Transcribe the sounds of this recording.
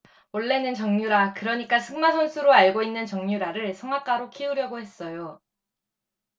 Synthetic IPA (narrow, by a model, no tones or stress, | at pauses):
oɭːe̞nɯnt͡ɕʌŋɲuɾakɯɾʌɲik͈asʰɯŋmasʰʌnsʰuɾoaɭɡoinːɯnt͡ɕʌŋɲuɾaɾɯɭsʰʌŋak͈aɾokʰiuɾjʌɡohe̞s͈ʌjo